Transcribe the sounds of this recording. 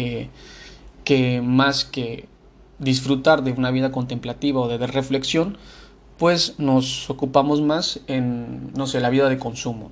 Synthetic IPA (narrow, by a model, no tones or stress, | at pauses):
e | ke̞maske̞ | ðis̬fɾut̪aɾðe̞unaβiðako̞nt̪e̞mplat̪iβao̞ðeðere̞fle̞ksjo̞n | pwe̞sno̞so̞kupamo̞zmasenːo̞se̞laβiðað̞e̞ko̞nsumo̞̰